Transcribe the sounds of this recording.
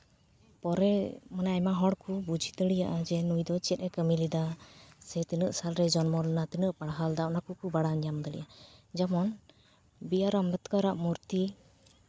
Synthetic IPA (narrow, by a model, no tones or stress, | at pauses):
pɔɾɛmanaamaɦɔɽkubud͡ʒʱid̪əɽijaʔad͡ʒɛnujd̪ɔt͡ʃɛt̪̚ˀɛkəmilid̪asɛt̪inəʔsalɾɛd͡ʒɔnmɔlɛnat̪inəʔpaɽɦald̪aʔnakukubaɽaɲamd̪əɽḭjad͡ʒamɔn | bijaɾɔmbɛt̪kaɾaʔmuɾt̪i